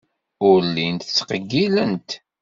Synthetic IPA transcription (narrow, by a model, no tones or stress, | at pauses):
ʊɾlːint̪t͡sːqəɡːilənt̪